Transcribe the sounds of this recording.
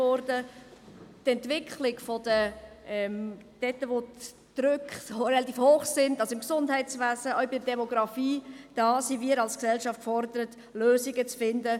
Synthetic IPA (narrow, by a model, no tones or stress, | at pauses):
ɔɾdə | tɛntvɪkχlɪɡfɔd̥əʔɛmd̥ɛtːəvo | d̪̥ɾʏkχɾɛlɑt̪iːfhoːχsɪndɑsoɪmksʊndhɛɪtt͡svæːzəœʊbɪdədɛmɔɡɾɑfiːd̥ɑːsiviːəɾɑlsksɛlʃɑftfɔɾdəɾət | løːzɪɡət͡sfɪndə